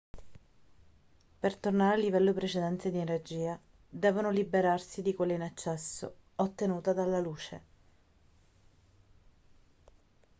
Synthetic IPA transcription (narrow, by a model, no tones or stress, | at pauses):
pert̪ornaɾealːivɛlːopɾet͡ʃed̪ɛnt̪ed̪ienerd͡ʒiːa | d̪ɛːvonolibeɾarsid̪ikwelːeinat͡ʃːɛsːo̰ot̪ːenuːt̪ad̪alːaluːt͡ʃḛ